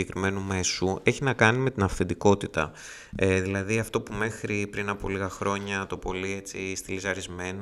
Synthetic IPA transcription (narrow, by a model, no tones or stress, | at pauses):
ekɾime̞nume̞sue̞çinɐkɐnime̞t̪inɐfθend̪iko̞t̪it̪ɐ̰ | eðilɐðiɐft̪o̞pume̞xɾipɾinɐpo̞̰liɣɐxɾo̞ɲɐt̪o̞po̞lie̞t͡sist̪ilisɐɾizme̞n